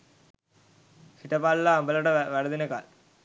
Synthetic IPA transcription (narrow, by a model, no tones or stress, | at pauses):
kiʈːɐpaːllaɐmbɐlɐɽɐʋɐɽɐðɪnɐka̰ːl